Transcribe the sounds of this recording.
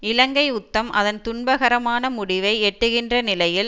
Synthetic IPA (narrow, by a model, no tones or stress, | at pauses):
ɪlɐŋɡɐɪʊt̪ːɐmʔɐ̰ðɐnt̪ʊɳbɐɣɐɾɐmaːnɐmʊɽɪʋɐɪɛʈːɯɣɪndrɐnɪlɐjɪl